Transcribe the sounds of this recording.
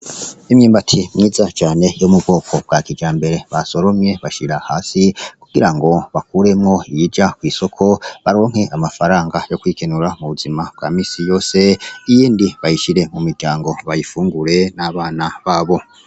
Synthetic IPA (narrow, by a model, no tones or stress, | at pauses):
imɲiːmbatʰimŋiːzat͡ʃaːne̞jomubɡo̞ːkʰo̞b̚ɡakid͡ʒaːmbe̞ɾe̞βaso̞ɾo̞mɲe̞βaʃiɾahaːsikuɡ̥iɾaŋɡo̞βakuːɾe̞mŋo̞ijid͡ʒakwiːso̞kʰo̞βaɾo̞ːŋ̥he̞ʔamafaɾaːŋɡajo̞kwiːkenuɾamuβuzimab̚ɡa̰ːmiːsijo̞ːse̞ijiːndiβajiʃiɾe̞mumiɾɡɟaːŋɡo̞βajifuːŋɡuɾe̞naβaːnaβaːβo̞